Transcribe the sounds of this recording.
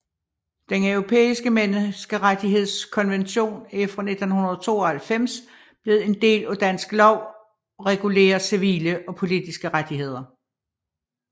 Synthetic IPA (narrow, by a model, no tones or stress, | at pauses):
d̥enœʊʁo̝pʰḛːisɡ̥əmensɡ̥əʁad̥iɦe̝ð̞̰ˠskʰɒ̽nʋenɕo̝̰ːnefd̥ɐne̝d̥n̩hunɐð̞̩ˠt͡sʰo̝̰ːɒ̽hælfem̰s | b̥le̝ð̩ˠe̝nd̥e̝̰ːlæd̥æn̰sɡ̥lɒʊ̰ | ʁɛɡ̥ule̝̰ːɐsiʋḭːləʔɒ̽pʰo̝lid̥isɡ̥əʁad̥iɦe̝ð̰ˠɐ